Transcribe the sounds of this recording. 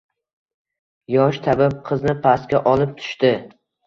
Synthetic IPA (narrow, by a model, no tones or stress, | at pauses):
jɒʃt̪ʰabap̚qʰɨznɪpʰaskʲaʔɒlˠɪp̚t̪ʰʊ̥ʃt̪ɪ